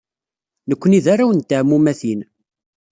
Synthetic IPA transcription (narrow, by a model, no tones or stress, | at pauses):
nəkʷːəniðaɾawənt̪ːaʕmːumæθin